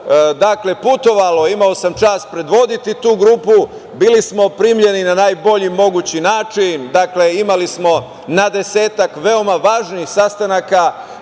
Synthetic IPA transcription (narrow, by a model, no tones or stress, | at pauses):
d̪akle̞put̪o̞ʋalo̞imao̞samt͡ʃaːspɾe̞d̪ʋo̞d̪it̪it̪uːɡɾuːpu | bilismo̞pɾiːmʎe̞ninanaːjbo̞ʎimo̞ɡut͡ɕinaːt͡ʃind̪akle̞imalismo̞ | nad̪e̞se̞ːt̪akʋe̞o̞maʋaːʒniixsast̪anaka